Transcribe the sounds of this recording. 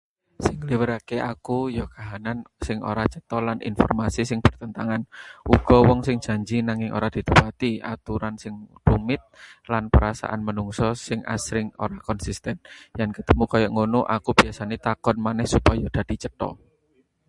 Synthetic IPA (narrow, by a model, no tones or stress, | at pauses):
sɪŋliwəɾakeʔakujɔkaɦanansɪŋo̰ɾat͡ʃət̪ɔlanʔḭnfɔ̰rmasisɪŋb̥ərt̪ənt̪aŋanʔuɡ̥ɔwɔŋsɪŋ̥d͡ʒ̥a̤ɲd͡ʒinaŋɪŋʔo̰ɾad̪̥i̤t̪upat̪ia̰t̪uɾansɪŋd̪̥umɪt̪̚lanpəɾasa̰ʔanmənuŋsɔsɪŋa̰sɾɪŋo̰ɾakɔnsist̪ɛnjankət̪əmukajɔʔŋonuʔakub̥iasanet̪akɔnmanɛhsupajɔd̪̥a̤d̪̥i̤t͡ʃət̪ɔ̰